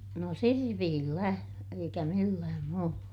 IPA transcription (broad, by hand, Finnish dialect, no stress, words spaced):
no sirpiːlːæ eikæ milːæːm muːlːɑ